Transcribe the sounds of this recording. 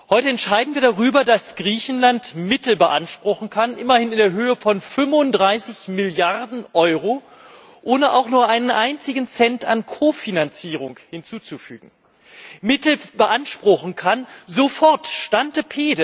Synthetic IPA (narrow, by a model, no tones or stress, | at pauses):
hɔʏtəɛntʃaɪdn̩viːɐdaʁyːbɐdasɡ̥ʁiːçn̩lantmɪtl̩bəʔa̰nʃpʁ̥ʊxn̩kʰanʔɪmɐhɪnɪndeːɐɦøːəfɔnfʏmvʊndʁaɪsɪçmɪljaʁdn̩ʔɔʏʁo | ʔoːnəʔa̰ʊxnuːɐʔaɪnənʔaɪnt͡sɪɡŋ̩t͡sɛnta̰nkʰoːfinant͡siːʁ̞ʊŋkhɪnt͡suːt͡sufy̰ːɡŋ̩ | mɪtl̩bəʔanʃpʁ̥ʊxn̩kʰanzofɔɐtʃtantəpʰeːdə